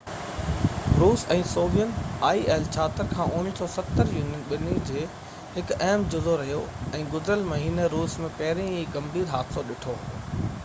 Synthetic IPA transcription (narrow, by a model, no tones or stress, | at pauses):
ɾuːsɛ̃ːsoːʋijənɪaːieːlt͡ɕʰaːt̪əɾkʰãːʔʊnɪsɔːsɐt̪ːəɾjuːnɪnɓɪnid͡ʑeː | hɪkɛɦmd͡ʑʊzoɾɐɦijoɛ̃ːɡʊzɾəlmɐɦiːneɾuːsmẽpɐɦɪɾĩiːɡɐ̃mbiːɾɦaːt̪ʰsoɗɪʈʰoː